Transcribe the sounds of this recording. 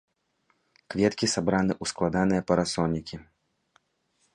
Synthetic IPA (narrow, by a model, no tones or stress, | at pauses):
kvʲɛt̪kʲisabɾanɨʔusklˠad̪anɨjɐpɐɾasɔnʲikʲi